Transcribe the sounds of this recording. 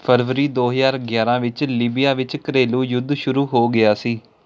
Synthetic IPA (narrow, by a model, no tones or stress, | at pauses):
pʰəɾʋəɾiːd̪oːɦəzaːɾɡjaːɾãːʋɪt͡ʃliːbijaːʋɪt͡ʃkəɾeːlũːjʊd̪ʱʃʊɾuːɦoːɡɪaːsiː